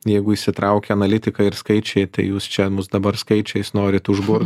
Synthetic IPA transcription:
jɛɪɡʊiːʃsʲɪt̪ɾɐʊkʲɛɐnɐlʲɪt̪ʲɪkɑɪɾskɐɪt͡ʃʲɛɪt̪ɐɪjuːst͡ʃʲɛmʊsd̪ɐbɐɾskɐɪt͡ʃʲɛɪsnoːɾʲɪt̪ʊʒbʊr

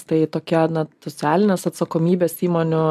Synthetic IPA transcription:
t̪ɐɪt̪oːkʲɛnɐsot͡s̪ʲæːlʲɪnʲeːsɐt̪sɐkoːmʲiːbʲeːsiːmoːnʲʊ

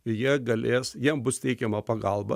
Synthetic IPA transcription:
ɪjiɛɡɐlʲeːsjiɛmbʊst̪ʲɛɪkʲɛmɐpɐɡɐlˠbɐ̰

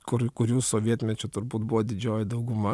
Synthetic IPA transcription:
kʊɾkʊɾʲuːsoːʋʲiɛt̪ʲmʲɛt͡ʃʲʊt̪ʊɾbuːt̪bʊʋoːd̪ʲɪd͡ʒʲoːjɛd̪ɐʊɡʊmɐ

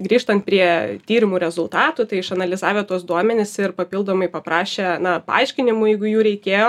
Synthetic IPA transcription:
ɡɾʲiːʃt̪ɐnt̪̚pʲɾʲiɛt̪ʲiːɾʲɪmuːɾʲɛzʊlˠt̪ɑːt̪ut̪ɐɪɪʃɐnɐlʲɪzɑːʋʲɛːt̪uɔsd̪uɔmʲɛnʲɪsɪrpɐpʲilˠd̪oːmɐɪpɐpɾɑːʃʲenɐpɐ̰ɐɪʃʲkʲɪnʲɪmujɛɪɡʊjuːɾʲɛɪkʲeːjoː

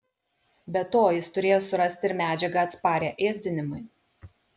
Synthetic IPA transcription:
bʲɛt̪oːjɪst̪ʊɾʲeːjoːsʊɾɐsʲt̪ʲɪɾmʲæːd͡ʒʲɛɡɐɐt̪spɑːɾʲeːʔeːzʲd̪ʲɪnʲɪmʊɪ

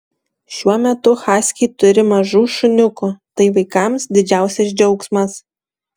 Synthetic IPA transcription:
ʃʲuɔmʲɛt̪ʊxɑːsʲkʲiɪt̪ʊɾʲɪmɐʒuːʃʊnʲʊkʊt̪ɐɪʋɐɪkɐmsd̪ʲɪd͡ʒʲæˑʊsʲɛsd͡ʒʲɛʊksmɐs

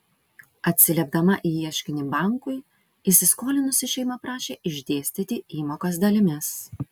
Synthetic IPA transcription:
ɐt̪ʲsʲɪlʲɛb̚d̪ɐmɐʔiːjiɛʃʲkʲɪnʲɪbɑˑŋkʊɪ | ɪsʲɪskoːlʲɪnʊsʲɪʃʲɛɪmɐpɾɑːʃʲeːʔɪʒʲd̪ʲeːsʲt̪ʲɪt̪ʲɪiːmoːkos̬d̪ɐlʲɪmʲɪs

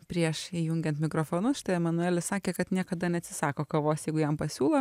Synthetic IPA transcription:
pʲɾʲiɛʃiːjʊŋʲɡʲɛnt̪mʲɪkɾoːfoːnʊsʃʲɪ̥t̪ɐɛmɐnʊæːlʲɪssɑːkʲeːkɐt̪nʲiɛkɐd̪ɐnʲɛɐt̪ʲsʲɪsɑːkoːkɐʋoːsjɛɪɡʊjɛmpɐsʲuːlˠo

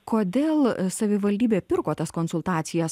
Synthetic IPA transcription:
koːd̪ʲeːlˠsɐʋʲɪʋɐlʲd̪ʲiːbʲeːpʲɪɾkoːt̪ɐskoːnsʊlˠt̪ɑːt̪sʲɪjɛs

